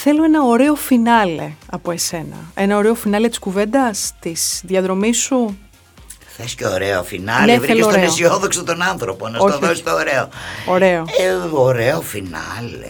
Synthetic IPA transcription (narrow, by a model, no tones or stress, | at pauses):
θe̞loenɐoɾe̞o̞finɐle̞̰ɐpo̞e̞se̞nɐ̰e̞nɐo̞ɾe̞o̞finɐle̞t̪i̥skuve̞nd̪ɐst̪isðjɐðɾo̞misu | θescoːɾeofinɐlnevɾielesost̪eneosioðoksot̪onɐnθɾoponɐsoçt̪oðosi̥t̪oːɾeooɾe̞ooɾeofinɐlḛ